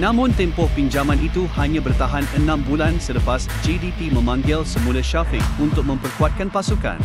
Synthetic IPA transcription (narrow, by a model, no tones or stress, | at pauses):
nãmʊ̃nt̪ɛmpʊhpiɲd͡ʒamãnit̪uhaɲãbərt̪aɦanənãmbulansələpas | d͡ʒidit̪imə̃mãŋɡɪlsəmũlaʃapɪŋunt̪ʊk̚mə̃mpərkuat̪̚kanpasukã̰n